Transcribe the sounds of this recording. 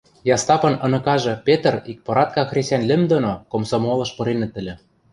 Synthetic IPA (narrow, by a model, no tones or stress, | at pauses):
jɑst̪ɑpɤ̆nɤ̆nɤ̆kɑʒɤ̆pʲet̪̆rik̚poɾɑt̪̚kɑxrʲesʲænlʲɘ̆md̪onokomsomolɤ̆ʃpɤ̆ɾenɤ̆t̪ːɘ̆lʲɘ̆